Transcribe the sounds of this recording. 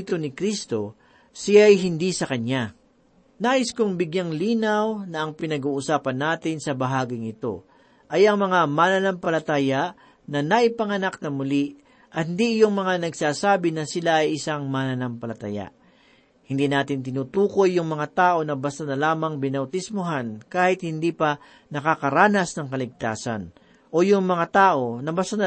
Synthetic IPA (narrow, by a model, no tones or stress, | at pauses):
t̪onɪkɾist̪o̞ | sɪjajɦɪnd̪isɐkɐna | naːʔɪskoŋbɪɡjaŋliːnɐwnɐʔɐŋpɪnɐɡuːʔʊsaːpɐnːaːt̪ɪnsɐbɐɦaːɡɪŋɪt̪o̞̰ | ʔɐjʔɐŋmɐŋamaːnɐnampɐlɐt̪aːjaʔ | nɐnɐʔɪpɐŋɐnaknɐmʊli | ʔɐhɪnd̪iʔɪjoŋmɐŋanɐɡsaːsaːbɪnɐsɪlaʔɐjʔɪsaŋmanɐnampɐlɐt̪a̰ja̰ʔ | hɪnd̪inaːt̪ɪnt̪ɪnuːt̪uːko̞jːʊŋmɐŋat̪aːʔo̞nɐbɐst̪anɐlaːmɐŋbɪnɐwt̪ɪsmʊɦankaːhɪt̪̚hɪnd̪ipɐ | nɐkakɐɾaːnɐsnɐŋkɐlɪɡ̚t̪aːsɐ̰n | ʔo̞jʊŋmɐŋat̪aːʔo̞nɐbast̪anɐ